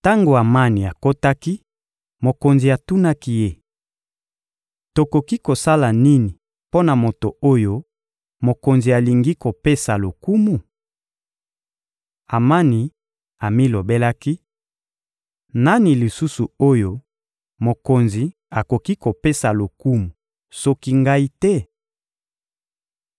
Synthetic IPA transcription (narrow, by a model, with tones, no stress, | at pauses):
ta˦ŋɡo˨a˨ma˦ni˨a˨ko˦ta˦ki˦ | mo˨ko˨nzi˨a˨tu˦na˦ki˦je˦˨ | to˨ko˨ki˦ko˨sa˦la˨ni˦ni˨ | po˦na˨mo˨to˨o˦jo˦ | mo˨ko˨nzi˨a˨li˨ŋɡi˦ko˨pe˦sa˨lo˨ku˦mu˨ | a˨ma˦ni˨ | a˨mi˦lo˨be˦la˦ki˦ | na˦ni˨li˨su˦su˨o˦jo˦ | mo˨ko˨nzi˨ | a˨ko˨ki˦ko˨pe˦sa˨lo˨ku˦mu˨ | so˦ki˦ŋɡa˦i˦tɛ˦